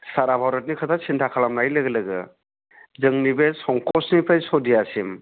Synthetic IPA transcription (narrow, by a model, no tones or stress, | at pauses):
saɾabʱawɾɔt̚nikʰatʰasintʰakʰalamnajlɯɡelɯɡɯ̰ | zɯŋnibesɔŋkɔsnipʰajsɔdiasim